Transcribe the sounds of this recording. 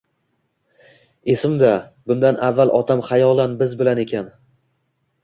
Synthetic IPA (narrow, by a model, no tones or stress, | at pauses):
e̞sɪmd̪abʊnd̪anavːalˠʔɒt̪ʰamχajɒlˠanbɪzbɪlane̞kʲan